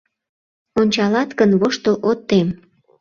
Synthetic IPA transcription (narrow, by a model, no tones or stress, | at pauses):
onʲt͡ɕɑlɑt̪kənβoʃt̪əlʔot̪ːem